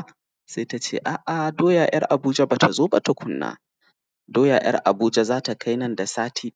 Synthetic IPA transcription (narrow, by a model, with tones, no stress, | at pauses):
seː˦ta˦t͡ʃeː˦ʔaː˨ʔa˨doː˦jaː˨j̰ɐ˦rʔa˨buː˦d͡ʒɐ˦baː˨tʰa˨zoː˦ba˨ta˨kʷʊ˦nːa̰ː˦ | doː˦jaː˨j̰ɐ̰˦rʔa̰˨buː˦d͡ʒɛ˦zaː˦ta˨kʰa˦jnɐ˦nda˨saː˦tʰiː˦